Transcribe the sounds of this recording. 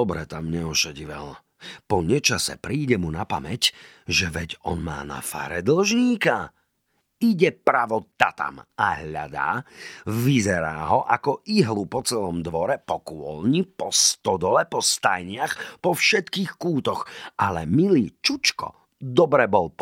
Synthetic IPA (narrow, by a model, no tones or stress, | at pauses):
ɔbɾɛt̪amɲɛɔʃaɟiʋɛ̰l | pɔɲɛt͡ʃasɛ̰pɾiːɟɛmunapamɛc | ʒɛʋɛɟɔ̰nma̰ːna̰fa̰ːɾɛd̪l̩ʒɲiːka | iɟɛpɾaʋɔt̪at̪a̰maɦʎa̰d̪a̰ːʋizɛɾaːɦɔʔakɔʔiɦlupɔt͡sɛlɔmd̪ʋɔɾɛpɔkʊɔ̰lɲipɔst̪ɔd̪ɔlɛpɔst̪ajɲɪaxpɔfʃɛt̪kiːxkuːt̪ɔxʔalɛmiliːt͡ʃut͡ʃkɔ̰ | d̪ɔbɾɛbɔlp